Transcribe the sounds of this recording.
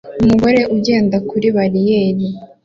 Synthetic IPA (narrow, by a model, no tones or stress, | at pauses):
umuɡo̞ɾe̞ʔuɟe̞ːndakuɾiβaɾijeːɾi